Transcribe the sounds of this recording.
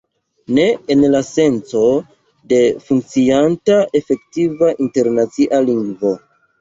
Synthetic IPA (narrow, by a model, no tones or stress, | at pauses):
ne̞enlase̞nt͡so̞ | de̞fuŋk̚t͡siantaʔe̞fe̞ktivaʔinte̞ɾnat͡siʔaliŋɡvo̞